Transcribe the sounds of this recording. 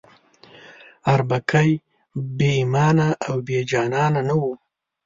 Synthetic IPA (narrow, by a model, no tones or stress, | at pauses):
aɾbakʰaj | beimɑːnaʔːwbed͡ʒɑːnɑnanawu